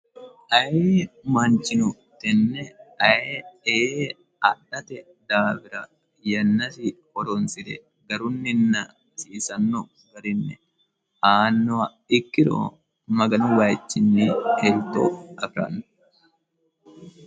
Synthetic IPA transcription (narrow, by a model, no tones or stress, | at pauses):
ʔɐjemɐnt͡ʃɪnʊ | t̪ɛnːɛɐee | ɐɗɐt̪ɛ | d̪aːfɪɾɐ | jɐnːɐsɪhɔɾɔnsɪd̪ɛ̰ | ɡɐɾʊnːɪnːɐ | siːsɐnːɔ | ɡɐɾɪnːɛ | ʔaːnːɔɐ | ɪkːɪɾo̰ː | mɐɡɐnʊwaːjt͡ʃːɪnːihɛlt̪o̰ːɐbɾɐ̰n